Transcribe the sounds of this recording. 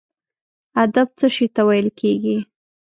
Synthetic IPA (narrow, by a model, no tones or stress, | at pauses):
ad̪ab̚t͡səʃit̪awajəlkʰeɡi